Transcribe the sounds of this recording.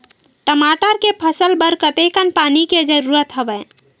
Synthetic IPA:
ʈəmaʈəɾkepʰəsəlbəɾkət̪ekənpaniked͡ʒəɾuɾət̪ɦəbə

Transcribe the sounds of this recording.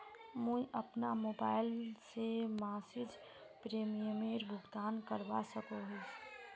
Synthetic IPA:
mũiʔəpnamoːbaːɪlsemaːsid͡ʒ | pɾeːmijəmeɾbʱʊɡt̪aːnkəɾbasəkoɦʊt͡ʃ

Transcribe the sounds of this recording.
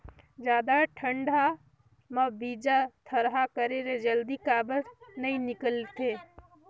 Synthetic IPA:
d͡ʒjaːd̪aʈʰə̃ɳɖʱa | mɐbiːd͡ʒat̪ʰəɾɦakəɾeɾed͡ʒəld̪ikaːbət̪nɐĩnɪkəlt̪eː

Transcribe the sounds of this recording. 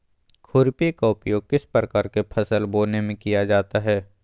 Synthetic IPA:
kʰʊɾpekaʊpjoːɡ̚kɪspɾəkaːɾkepʰɐsəlboːnemẽkijad͡ʒaːt̪aɦɛː

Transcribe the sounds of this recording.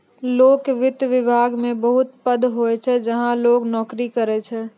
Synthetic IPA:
loːkeʋɪt̪jʋɪbʱaːɡmẽbəɦʊt̪pəd̪ʱɦoɛt͡ʃʰɛd͡ʒəɦãloːɡnɔːkɾikəɾɛt͡ʃʰɛ

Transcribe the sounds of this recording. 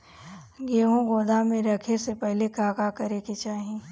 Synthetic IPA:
ɡeːɦõɡoːd̪ʱamẽɾɐkʰesepɛɦlekaːkakɐɾeket͡ʃaːɦẽ

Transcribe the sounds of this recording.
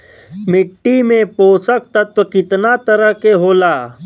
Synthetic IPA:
mɪʈːimẽpoːsək̚t̪ɐt̪əkɪt̪nat̪əɾəɦkeɦoːlaː

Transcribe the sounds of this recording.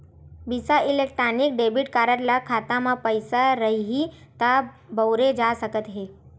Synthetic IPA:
bisaʔɪlek̚ʈɾaːnɪk̚ɖeːbiʈkaːɾəɾlakʰaːt̪amãpəɪsaɾɐɦiɦi | t̪a | bəwɾed͡ʒasəkət̪ɦeː

